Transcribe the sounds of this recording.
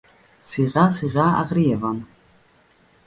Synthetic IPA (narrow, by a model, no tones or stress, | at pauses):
siʁasiʁʲaa̰ʁrijɛvan